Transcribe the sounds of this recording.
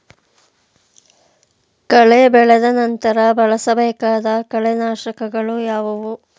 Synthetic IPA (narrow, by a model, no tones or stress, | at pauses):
kɐɭebɛɭɐd̪ɐnɐnt̪ɐɾɐbɐɭɐsɐbɛːkaːd̪ɐkɐɭenaːʃɐkɐɡɐɭujaːʋɐʋu